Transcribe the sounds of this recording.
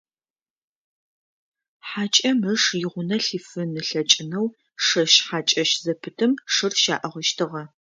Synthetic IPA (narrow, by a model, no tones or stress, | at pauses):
ħaːt͡ʃʼɐməʂjɪʁʷʊnɐɬiːfɨnɨɬɐt͡ʃʼɪnɐw | ʂɐʃħaːt͡ʃʼɐʃzɐpʰɨtʰɨmʂɨrʃa̰ːʔɐʁəʃtʰɨʁɐ